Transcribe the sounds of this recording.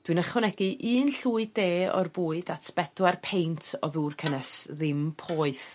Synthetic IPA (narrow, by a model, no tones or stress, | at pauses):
d̥wɨnəχɔnɛɡɨʔɨːnɬuːɨdeːɔ̰rbuːɨdatʰb̥ɛdwarpʰejntʰɔðuːrkʰənɛsðɪmpʰɔːɨθ